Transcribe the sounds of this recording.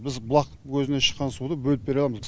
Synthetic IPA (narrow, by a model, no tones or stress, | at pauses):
bɪzbʊlˠɑq | kʲʰɵzɪne̞ʃə̥qːɑnsud̪əbɵlɪp̚b̥eɾɑlˠɑmz